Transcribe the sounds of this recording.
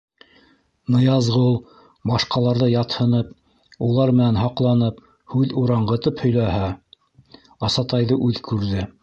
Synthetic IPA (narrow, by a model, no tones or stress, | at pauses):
nɤ̆jɑzʁɤulˠ | bɑʃqɑlˠɑɾðɤjɑt̪hɤ̆nɤp̚ | ulˠɑɾmɘ̆nænɦɑqlˠɑnɤp | hʉðuɾɑɴɢɤ̆t̪ɤphɵ̆jlæɦæ | ɑsɑt̪ɑjðɤʔʉðkʉɾðɘ